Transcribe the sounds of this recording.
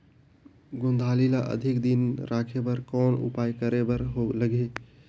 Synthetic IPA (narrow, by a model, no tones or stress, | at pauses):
ɡõnd̪ʱaːlilaʔə̰d̪ʱɪkd̪inɾaːkʰebəɾkɔːnṵpaːjkəɾebəɾɦoləɡe